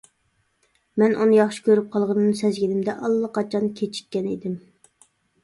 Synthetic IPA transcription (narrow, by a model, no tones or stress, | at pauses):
mɛnʔunɨjɑχʃi̥kʲøɾyp̚qʰɑlˠʁɑnɨnsɛzɡʲinɪmd̪ɛʔɑlˠːɨqʰɑt͡ʃʰɑnkʲʰet͡ʃʰi̥k̚ʲːɛnḛd̪ɪm